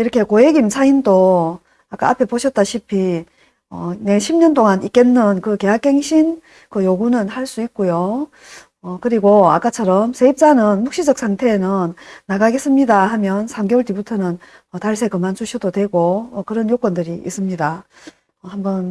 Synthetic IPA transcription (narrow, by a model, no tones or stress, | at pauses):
iɾʌkʰe̞koe̞ɡimt͡ɕʰaindo | ak͈a̰apʰe̞poɕʰʌt̚t͈aɕʰipʰi | ʌne̞ɕʰimɲʌnt͈oŋanik͈e̞nːɯnkɯke̞ɦak̚he̞ŋɕʰin | kɯjoɡunɯnhaɭs͈uik̚k͈ojo | ʌkɯɾiɡoa̰k͈at͡ɕʰʌɾʌmsʰe̞ip̚t͡ɕ͈anɯnmukɕ͈id͡ʑʌk̚s͈ʰaŋtʰe̞nɯnːaɡaɡe̞s͈ɯmɲidahamjʌnsʰamɡeoɭt͈ibutʰʌnɯn | ʌtaɭsʰe̞kɯmant͡ɕuɕʰidodwe̞ɡoʌkɯɾʌnjok͈ʌndɯɾiʔḭs͈ɯmɲida | ʌhambʌn